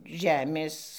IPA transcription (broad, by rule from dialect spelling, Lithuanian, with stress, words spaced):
ˈʒʲæːmʲeːs